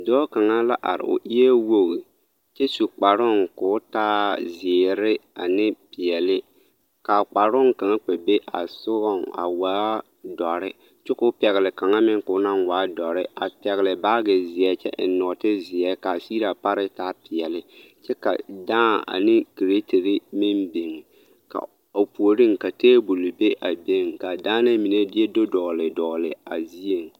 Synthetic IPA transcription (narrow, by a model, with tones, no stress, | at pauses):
dɔː˦ka˨ŋa˦la˦ʔa̰˨ɾɪ̰˨ʊ̰˨ʔi˦e˦wo˦ɣɪ˨ | t͡ʃɛ˦su˨k͡pa˨ɾʊ˦ŋkʊ˨˦taː˦zɪ˨ɾɪ˦a˨nɪ˦pɪ˨ɛ˨lɪ˦ | ka˨k͡pa˨ɾʊ˦ŋka˨ŋa˦k͡pe˨be˦ʔa̰˨sʊ˦ɣɔ˦ŋa̰˨waː˦ | dɔ˨ɾɪ˦ | t͡ʃʊ˦kʊ˦pɛ˨ɣɪ˨lɪ˨ka˨ŋa˦mɪ˦ŋ˦kʊː˨˦na˦nwaː˨˦dɔ˨ɾɪ˦a˨pɛ˨ɣɪ˨lɪ˨baː˦ɡe˨zɪ˨ɛ˦t͡ʃɛ̰˦ʔɪ˨˦nːɔ˨tɪ˦zɪ˨ɛ˦ka˨siː˦ɾa˨pa˦ɾɪ˦ta˦pɪ˨jɛ˨lɪ˦ | t͡ʃɛ˦ka̰˨daː˦˨a̰˨nɪ˦kɾe˦te˨ɾɪ˦mɪ˦nbe˨ŋ˨ | ka̰˨ | o˨pu˨o˨ɾɪ˦ŋka˨teː˦bu˨lɪ˨be˦ʔa˨be˦ŋ˨ka˨daː˦na˦mi˨ne˦dɪ˦e˦dʊ˦dɔː˨lɪ˨dɔː˨lɪ˨a˨zi˦e˨ŋ˨